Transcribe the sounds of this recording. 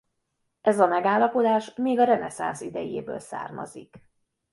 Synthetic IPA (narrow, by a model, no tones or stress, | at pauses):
ɛzɒmɛɡaːlːɒpo̞d̪aːʃmeːɡɒɾɛnɛsa̰nsid̪ɛjeːbø̰ːlsa̰ːrmɒ̰zḭk